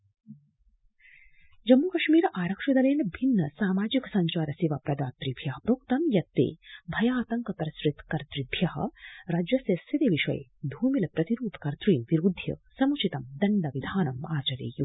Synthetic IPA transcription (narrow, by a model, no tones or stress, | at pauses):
d͡ʒɐmːuːkɐʃmiːɾaːɾɐkʂɐd̪ɐleːnbʱinːɐsaːmaːd͡ʒiksɐɲt͡ʃaːɾɐsiʋɐpɾɐd̪aːt̪ɾibʱjɐɦɐpɾoːkt̪ɐmjɐt̪ːḛːbʱɐjaːt̪ɐŋkɐpɐɾɐsɾit̪kɐɾt̪ɾibʱjɐhɐ̰ɾaːd͡ʒjɐsɐsit̪eːʋiʃɐ̰j̰d̪ʱuːmilɐpɾɐt̪iɾuːp̪kɐɾt̪ɾiːmʋiɾuːd̪ʱjɐ̰sɐmut͡ʃʰit̪ɐmd̪ɐɳɖɐʋid̪ʱaːnɐmaːt͡ʃɐɾḛːju